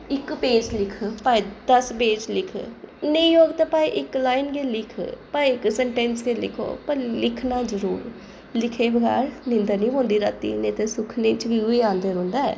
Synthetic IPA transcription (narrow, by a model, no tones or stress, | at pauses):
ɪkpeːd͡ʒlɪkʰpaːid̪əsbeːd͡ʒlɪkʰnəĩːɦoːɡt̪aːpaːiʔɪklaːɪnkelɪkʰpaːiɪksɛɳʈɛːnskelɪ̰kʰo̰ːpəɾlɪkʰnaːd͡ʒəɾuːɾ | lɪkʰeːbəɡa̰ːɾnɪ̃nd̪anĩːɦõːnd̪iːɾaːt̪ḭːneːt̪eːsʊkʰneːt͡ʃʋiuiːãːnd̪eːɾõːnd̪aːɛ̰ː